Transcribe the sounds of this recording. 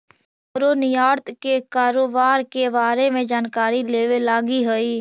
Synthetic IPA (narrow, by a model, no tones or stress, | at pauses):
ɾonɪjaːɾt̪ʰkekaːɾoːbaːɾkebaːɾemẽd͡ʒaːnkaːɾileːʋelaːɡiɦoiː